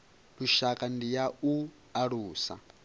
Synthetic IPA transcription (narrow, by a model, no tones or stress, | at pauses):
luʃakʼandijau | aɺuːsa̰